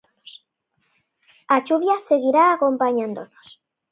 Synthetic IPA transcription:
s | at͡ʃuβjaseɣiɾaːkompaɲãnd̪onos

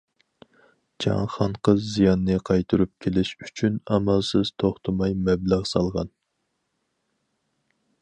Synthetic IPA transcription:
d͡ʒɑ̰ŋχɑɴqʰəzːijɑnːɨqʰɑjt̪ʰuɾup̚kʲʰelɪʃy̥t͡ʃʰynɑmɑlˠsɨz̥t̪ʰoχt̪ʰɨmɑjmɛblæʁsɑlˠʁɑn

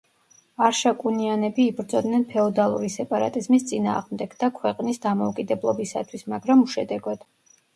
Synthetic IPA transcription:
aɾʃakʼunianɛbiːbɾd̪zɔd̪nɛnpʰɛɔd̪alˠṵɾisɛpʼaɾa̰t̪ʼizmist̪sʼina̰ːʁmd̪ɛɡ̥d̪akʰwɛqʼnisd̪amɔukʼid̪ɛblˠɔbisa̰t̪ʰwismaɡɾamuʃɛd̪ɛɡɔd̪̥

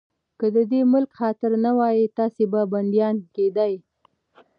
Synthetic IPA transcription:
kəd̪əd̪emʊlkxɑt̪ɪɾnawɑjit̪ɑsebaband̪jɑnked̪aj

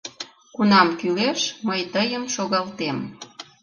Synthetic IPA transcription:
kunɑmkyleʃməjt̪əjəmʃoɣɑlt̪em

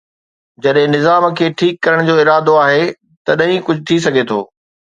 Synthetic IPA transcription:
d͡ʑɐɗɦɪ̃nɪzaːmkʰeːʈʰiːkːɐɾəɽ̃d͡ʑoːɪɾaːd̪oaːɦe | t̪ɐɗɦĩkʊd͡ʑʱʊt̪ʰis̬ɐɡʱet̪ʰo̰ː

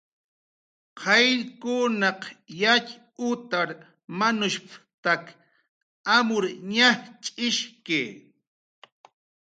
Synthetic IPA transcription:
qʰɑjɾkʊnɑqjat͡ʃ | ʊt̪aɾ | manʊʃpt̪ak | amʊɾɲaht͡ʃʼɪʃkeː

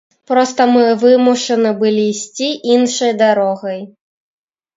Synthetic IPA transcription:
pɾɔst̪ɐmɨvɨmuʂɐnɨbɨlʲiːsʲt͡sʲiʔinʂɐjd̪aɾɔɣɐj

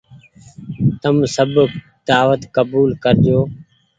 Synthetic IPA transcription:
t̪əmsəb | d̪aːʋət̪kəbuːlkəɾd͡ʒoː

